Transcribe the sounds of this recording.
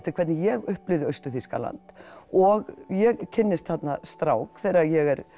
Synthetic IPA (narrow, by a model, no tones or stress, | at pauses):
t̪ɪ̥ɾkʰvɛt̪nɪjɛɣʏhplɪðʏœɥst̪ʏfiska̰la̰nt̪ɔɣjɛɣcʰɪnːɪst̪θat̪nast̪ɾawkθɛjɾajɛɣɛɾ